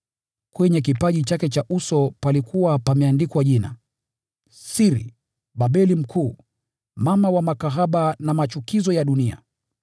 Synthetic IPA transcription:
kwɛɲɛk̬ipaʄit͡ʃakɛt͡ʃaʔusɔpalikʰuwapamɛandikwaʄina̰ | siɾḭ | ɓaɓɛlim̩kʰuː | mamawamakaɦaɓanamat͡ʃukizɔjaɗunia̰

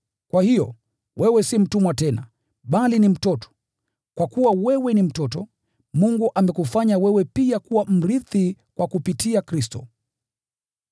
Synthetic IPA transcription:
kwahijɔ̰ | wʔɛwɛsim̩tumwatɛna | ɓalinim̩tɔtɔ̥ | kwakuwawɛwɛnim̩tɔtɔ | muŋɡuʔamɛkufaɲawɛwɛpiakuwam̩ɾiθi | kwakupitiakɾistɔ

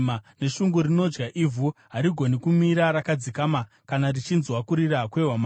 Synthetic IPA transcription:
ane̞ʃuŋɡuɾino̞d͡ʒɡaʔivʱuɦaɾiɡʱo̞nikumiɾaɾakad͡zikama | kanarit͡ʃinzwakuɾiɾakweɦwama

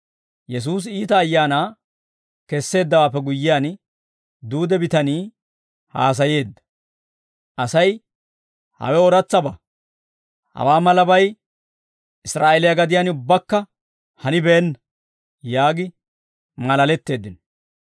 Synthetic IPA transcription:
jɛs̬uːs̬iːt̪ɐːjːaːnaː | kɛsːe̞ːd̪ːɐwaːpːɛɡʊjːɪjaːn | d̪uːd̪ɛbɪt̪ɐniː | ha̰ːs̬ɐje̞ːd̪ːɐ̥ | ʔɐsɐj | hɐ̰wɛɔɾɐt͡sːɐbɐ | hɐ̰waːmɐlɐbɐj | ʔɪsɾaːʔelɪjɐɡɐd̪ɪjaːnʊbːɐkːɐ | hɐnɪbɛːnːɐ | jaːɡɪ | mɐlɐlɛt̪ːe̞ːd̪ːɪn

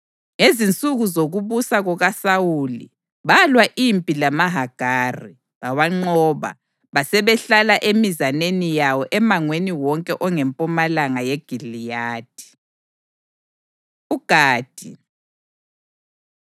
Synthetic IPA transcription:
ŋezint͡sʼuɣuzoɣuβusaɣɔɣasawulḭ | βalwaʔimpʼilamaɦaɡ̥ʱaːri | βawaŋ͡ǃɔːβa̰ | βasɛβɛɬalaʔemizanenijawɔʔɛmaŋweniwɔŋkʼɛʔɔŋɛmpʼɔmalaŋajeɡ̥ʱilijaːd̥ʱi̥ | uɡ̥ʱaːd̥ʱi

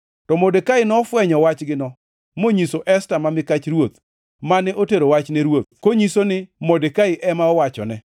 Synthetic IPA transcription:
tɔmodekaɪnɔːfwɛɲɔwat͡ʃɡɪnɔ | moɲisoʔɛstamamɪkat͡ʃɾwot̪ | manɛʔoteɾowat͡ʃnɛɾwot̪̚koɲisonɪmodekaɪʔɛmaɔwat͡ʃɔ̰nɛ

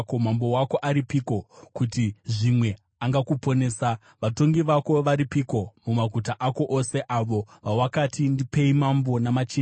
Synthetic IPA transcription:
komambo̞wako̞ʔaɾipiko̞kutiʐimwe̞ | aŋɡakupo̞ne̞ːsa | ʋato̞ŋɡiʋako̞ʋaɾipiko̞mumakutaʔako̞ʔose̞ʔaʋo̞ʋawakatʰindipe̞imambo̞namat͡ʃin

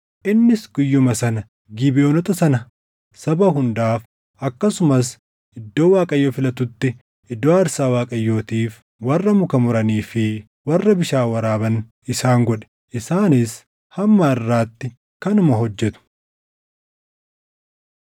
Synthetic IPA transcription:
ʔɪnːɪsɡ̥ʊjːʊmɐsɐnɐ | ɡɪbɪʔoːnɔt̪ɐsɐnɐ | sɐbɐɦʊnd̪aːf | ʔɐkːɐsʊmɐs | ʔɪd̪ːo̞ːwaːkʼɐjːoːfɪlɐt̪ʊt̪ːɪ | ɪd̪ːoːɐɾsaːwaːkʼɐjːo̞ːt̪iːf | wɐrːɐmʊkɐmʊɾɐniːfɪ | wɐrːɐbɪʃaːwɐɾaːbɐn | ɪsaːŋɡɔᶑɛ̥ | ʔɪsaːnɪs | hɐmːaɪrːaːt̪ːɪ | kɐnʊmɐɦɔd͡ʒːɛt̪ʊ̥

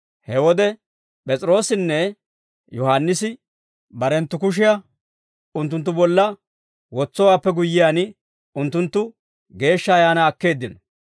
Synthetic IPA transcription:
hɛwɔd̪ɛ | pʼɛt͡sʼɪɾo̞ːsɪnːɛ | jɔhanːɪsɪ | bɐɾɛnt̪ːʊkʊʃ̬ɪjɐ | ʊnt̪ːʊnt̪̬ːʊbɔlːɐ | wɔt͡sːɔwaːpːɛɡʊjːɪjaːn | ʊnt̪ːʊnt̪ːʊ | ɡe̞ːʃːɐːjaːnɐːkːe̞ːd̪ːɪnɔ

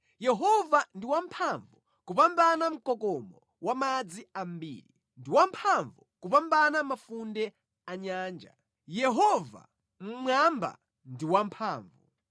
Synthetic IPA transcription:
jɛɦɔvandiwampʰaɱvu | kupambanam̩kɔkɔmɔ | wamad͡ziambḭːɾi | ndiwampʰaɱvukupambanamafundɛ | aɲaːnd͡ʒa̰ | jɛɦɔva̰ | m̩mamba̰ | ndiwampʰaːɱvu

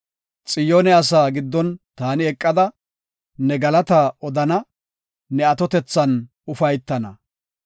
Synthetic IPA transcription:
t͡sʼɪjoːnɛɐs̬aːɡɪd̪ːɔnt̪aːnɪɛkʼːɐd̪ɐ | nɛɡɐlɐt̪aːɔd̪ɐnɐː | ɛɐt̪ɔt̪ɛt͡sːɐn | ʊfɐjt̪ːɐnɐ

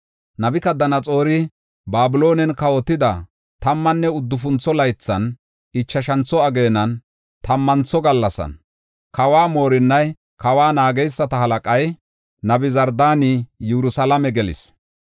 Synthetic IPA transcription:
nɐbɪkɐd̪ɐnɐt͡sʼo̞ːɾɪ | baːbɪlo̞ːnɛnkɐwɔt̪ːɪd̪ɐ | t̪ɐmːɐnːɛʊd̪ːʊfʊnt͡sːɔlɐjt͡sːɐn | ɪt͡ʃːɐʃɐnt͡sːɔɐɡe̞ːnːɐn | t̪ɐmːɐnt͡sːɔɡɐlːɐsɐ̰n | kɐwaːmo̞ːɾɪnːɐj | kɐwaːnaːɡɛjsːɐt̪ɐhɐlɐkʼɐj | nɐbɪzɐɾd̪aːnɪjɛɾʊsɐlɐmɛɡɛlɪ̰s

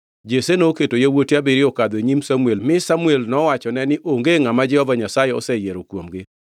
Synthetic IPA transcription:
d͡ʒesenoketojawotabiɾiɔkad̪eɲimsamuelmɪsamuelnɔwat͡ʃɔnɛnɪʔoŋɡeŋamad͡ʒɛhɔvaɲasajeɔ̰sɛjeɾokwomɡɪ

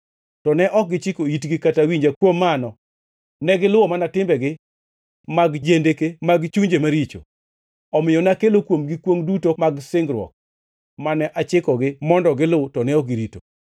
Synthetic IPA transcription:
tɔnɛʔɔk̚ɡɪt͡ʃɪkoitɡɪkatawiɲd͡ʒakwomːanɔ | nɛɡɪlʊwɔmanatɪmbɛɡɪ | maɡd͡ʒendekemaɡt͡ʃuɲd͡ʒemaɾit͡ʃo̰ | ɔmɪjɔnakelokwomɡɪkwoŋdutomaɡsɪŋɡɾwɔ̰k̚ | manɛʔat͡ʃɪkɔɡɪmɔndɔɡɪlʊtɔnɛɔkɡiɾito̰

